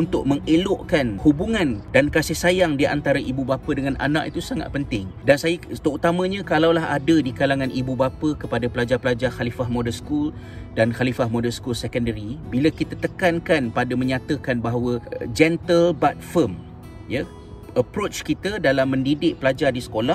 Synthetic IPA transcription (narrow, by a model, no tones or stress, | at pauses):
unt̪ʊk̚mə̃ŋelʊʔkanhubuŋãndankasɪhsajaŋdia̰nt̪aɾaʔibubapədəŋanʔa̰nã̰ʔit̪usaŋa̰t̪̚pənt̪ɪŋdansajət̪əut̪amə̃ɲãkalawlaɦadədikalaŋãnʔibubapəkəpadapəlad͡ʒarpəlad͡ʒarxalifahmõdəskul | danxalifahmodərskulsɛkəndəɾibiləkit̪at̪əkankanpadəmə̃ɲat̪əkanbaɦawəd͡ʒɛnt̪əlbat̪̚fəm | ja | əpɾot͡ʃkit̪ədalamːə̃ndidɪʔ̚pəlad͡ʒardisə̥kolah